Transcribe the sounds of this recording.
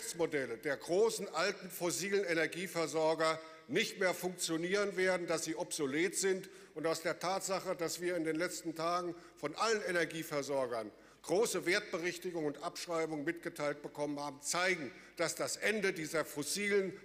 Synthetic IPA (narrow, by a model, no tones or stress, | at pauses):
t͡smodɛlədeːɐɡʁoːsn̩ʔaltn̩fɔsiːlənenɛɐɡiːfɛɐzɔɐɡɐ | nɪçtmeːɐfʊŋk̚t͡sjoniːʁənveːɐdn̩dasz̥iːʔɔpz̥oleːtz̥ɪnt | ʊntaʊsd̥eːɐtʰaːtz̥aχədasv̥iːɐɪndeːnlɛt͡stn̩tʰaːɡŋ̩fɔnʔalənenɛɐɡiːfɛɐzɔɐɡɐn | ɡ̥ʁoːsəveːɐt̚b̥əʁɛçtɪɡʊŋʊntʔapʃʁ̥aɪbʊŋmɪtɡ̥ətʰaɪlt̚b̥əkʰɔmənhaːbm̩t͡saɪɡŋ̩ | d̥asd̥asʔɛndədiːzɐfɔsiːlən